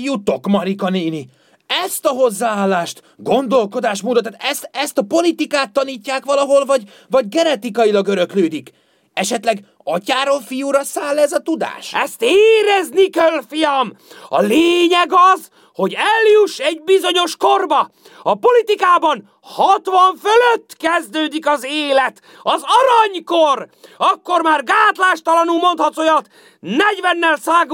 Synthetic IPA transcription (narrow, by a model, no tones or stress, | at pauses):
jut̪o̞kmɒɾikɒniːni | ɛst̪ɒɦo̞zːaːaːlːaːʃt̪ | ɡo̞nd̪o̞lko̞d̪aːʃmuːd̪ɔt̪ːaːt̪ɛst̪ɛst̪ɒpo̞lit̪ikaːt̪ːɒniːcːaːkʋɒlɒɦo̞lvɒɟ | vɒɟɡɛnɛt̪ikɒjilɒɡøɾø̞kløːd̪ik | ɛʃɛt̪lɛɡ | ɒcaːɾoːlfijuɾɒsaːlːɛzɒt̪ud̪a̰ːʃɛst̪eːɾɛznikɛlfijɒmɒ̰leːɲɛɡɒz | ho̞ɟɛljuʃːɛɟ̚bizo̞ɲo̞ʃko̞rbɒ | ɒpo̞lit̪ikaːbɒn | hɒt̪ʋɒɱføløt̪ːkɛzd̪øːd̪ikɒzeːlɛt̪ | ɒzɒɾɒɲko̞rɒkːo̞rmaːrɡaːt̪laːʃt̪ɒlɒnulmo̞nt̪hɒt̪ojɒt̪ | nɛɟvɛnːɛlsaːɡ